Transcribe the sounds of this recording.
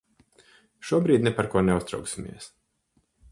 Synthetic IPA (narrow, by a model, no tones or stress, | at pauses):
ʃuɔbɾiːd̪ʲnɛpaɾkuɔnɛust̪ɾa̰ʊksʲimʲḭɛs